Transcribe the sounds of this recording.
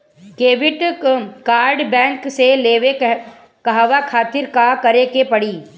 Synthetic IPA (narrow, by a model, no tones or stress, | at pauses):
keːʋɪʈkaːɾɖbɛ̃ːŋkseleːʋe | kaɦʋakʰaːt̪ɪɾkakɐɾekepɐɽiː